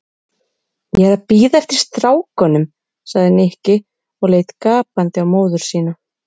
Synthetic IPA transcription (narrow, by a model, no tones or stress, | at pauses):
jɛɛɾapiːðaɛft̪ɪɾ̥st̪ɾaːwkœnʏm | saɣðɪnɪhcɪ | ɔɣleːjt̪kaːpant̪ɪawmoːwðʏɾ̥siːna